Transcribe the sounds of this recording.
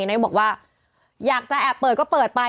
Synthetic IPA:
na˦˥jbɔ˨˩k̚waː˥˩ | jaː˨˩k̚t͡ɕa˨ʔɛː˨˩pːɤː˨˩kɔː˥˩pɤː˨˩t̪̚pa˧

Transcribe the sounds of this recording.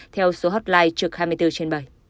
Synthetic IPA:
t̪ʰɛ˧wso˨˦ɦoː˦˥t̚laː˧jt͡ɕɨ˨˩ək̚haː˧jmɨ˧jt̪ɨ˧t͡ɕe˧nɓə˨˩j

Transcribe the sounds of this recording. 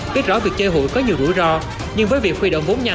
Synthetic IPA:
ɓi˦˥ət̚zɔ̰˧˦vi˨˩ək̚t͡ɕe˧ɦo̰˧˨jkɔ˨˦ɲi˨˩əwzṵ˧˩jzɔ˧ | ɲɨ˧ŋvəː˨˦jvi˨˩ək̚xi˧ɗə̰˧˨wŋ͡mɓo˨˦nɲa˨˩

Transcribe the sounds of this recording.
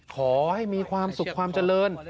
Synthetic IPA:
kʰɔː˩˦ha˥˩jmiː˧kʰwaː˧msu˨˩kʰːwaː˧mt͡ɕa˧lɤː˧n

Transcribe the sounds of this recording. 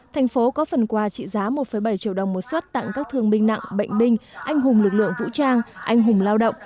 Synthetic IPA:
t̪ʰjŋ̟fo˨˦kɔ˨˦fə˨˩nkwaː˨˩t͡ɕḭ˧˨zaː˨˦mo˨˩t̚fə˨˩jɓə˧˩jt͡ɕḭ˧˨əwɗə˨˩wŋ͡mmo˨˩t̚swə˦˥t̚t̪a̰˧˨ŋkaː˦˥k̚t̪ʰɨ˧˩əŋɓï˧ŋ̟na̰˧˨ŋɓə̰˧˨jŋ̟ɓï˧ŋ̟ʔa˧jŋ̟ɦʊ˨˩ŋ͡mlɨ˨˩k̚lɨ̰˧˨əŋvṵ˧˥t͡ɕaː˧ŋʔa˧jŋ̟ɦʊ˨˩ŋ͡mlaː˧wɗə̰˧˨wŋ͡m

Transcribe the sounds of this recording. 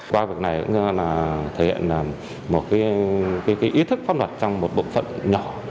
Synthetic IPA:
kwaː˧vi˨˩ək̚na˨˩jkʊ̰˧˥˧laː˨˩t̪ʰe˧˩hḭ˧˨ə˨nlaː˨˩ | mo˨˩t̚kaː˨˦jkaː˨˦kaː˨˦jʔi˨˦t̪ʰɨ˦˥k̚fa˧nlwaː˨˩t̚t͡ɕɔ˧wŋ͡mmo˨˩t̚ɓo̰˧˨nfə̰˧˨nɲɔ˨˩˦

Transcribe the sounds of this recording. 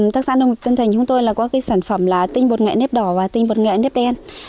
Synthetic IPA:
t̪aː˦˥k̚sa̰ː˧˥nə˧ŋ͡m̚t̪ə˧nt̪ʰŋ̟t͡ɕʊ˨˦ŋ͡mt̪o˧jlaː˨˩kɔ˨˦kaː˨˦jsaː˧˩nfə˧˩mlaː˨˩t̪ï˧ŋ̟ɓo˨˩t̚ŋɛ̰˧˨ne˦˥p̚ɗɔ˧˩vaː˨˩t̪ï˧ŋɓo˨˩t̚ŋɛ̰˧˨ne˦˥p̚ɗɛ˧n

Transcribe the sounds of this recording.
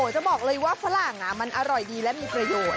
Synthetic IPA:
oː˨˩˦t͡ɕa˨˩bɔː˨˩k̚lɤː˧jwaː˥˩fa˧˥la˨˩ŋa˦˥ma˧nʔa˧ɾɔ˨˩jdiː˧lɛ˦˥miː˧pɾa˧joː˨˩t̪

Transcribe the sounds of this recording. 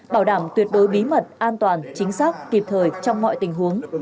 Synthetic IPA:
ɓaː˧˩wɗaː˧˩mt̪wət̚ɗo˨˦jɓi˨˦mə˨˩t̚ʔaː˧nt̪waː˨˩nt͡ɕï˨˦ŋ̟saː˦˥k̚ki˨˩p̚t̪ʰəː˨˩jt͡ɕɔ˧wŋ͡mmɔ̰˧˨jt̪ï˨˩ŋ̟ɦu˨˦əŋ

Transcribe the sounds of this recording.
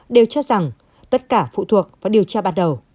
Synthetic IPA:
ɗe˨˩wt͡ɕɔ˦˥z̥a˨˩ŋ | t̪ə˦˥t̚kaː˧˩fṵ˧˨t̪ʰu˨˩ək̚vaː˨˩ɗi˨˩əwt͡ɕaː˧ɓaː˧˥n̚ɗə˨˩w

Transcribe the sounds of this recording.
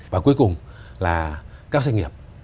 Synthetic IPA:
vaː˨˩ku˨˦əjkʊ˨˩ŋ͡mlaː˨˩kaː˦˥k̚sa˧jŋ̟ŋi˨˩əp̚

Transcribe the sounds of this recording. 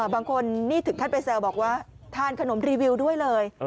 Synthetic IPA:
baː˧ŋkʰo˧nːiː˥˩t̪ʰɯ˩˦k̪ʰa˥˩pa˧jsɛː˧wbɔː˨˩k̚waː˥˩t̪ʰaː˥˩nkʰa˧no˩˦mɾiː˧wi˧wdu˥˩əjlɤː˧j

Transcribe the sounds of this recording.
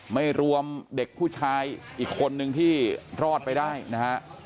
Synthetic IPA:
ma˥˩jɾu˧əmde˨˩k̚pʰuː˥˩t͡ɕʰaː˧jʔiː˨˩kʰːo˧nːɯ˧ŋt̪ʰiː˥˩ɾɔː˥˩t̪̚pa˧jdaː˥˩jna˦˥kʰa˦˥ʔ

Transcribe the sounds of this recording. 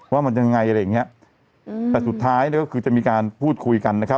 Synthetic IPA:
waː˥˩ma˧nt͡ɕa˧ŋa˧ŋa˧jʔa˧ɾa˧jːa˨˩ŋːi˦˥ɐ | t̪ɛː˨˩su˨˩t̪ʰːaː˦˥jni˥˩kɔː˥˩kʰɯː˧t͡ɕa˨˩miː˧kaː˧npʰuː˥˩t̪̚kʰu˧jka˧nːa˦˥kʰa˦˥

